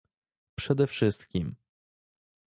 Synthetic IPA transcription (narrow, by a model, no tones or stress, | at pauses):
pʂɛd̪ɛfʂɘst̪kʲim